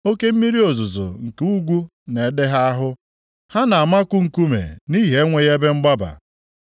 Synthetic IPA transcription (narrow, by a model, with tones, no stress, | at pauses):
o˦ke˦m̩˦mi˦ɾi˦o˨zʊ˨zo̰˨ŋ̩˨ke˦u˦ɡʷu˦ | ne˨˦dɪ˦ɦa˦a˦ɦʊ˦ | ha˦na˨a˨ma˦kʷʊ˦ŋ̩˨ku˦mḛ˨ni˦ɦe˦ŋʷe˨je˦be˦ŋ͡m̩˦ɡ͡ba˦ba̰˨